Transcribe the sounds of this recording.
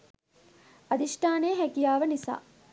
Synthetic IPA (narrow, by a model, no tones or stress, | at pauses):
ad̪iʂʈaːneːɦækijaːʋənisa̰ː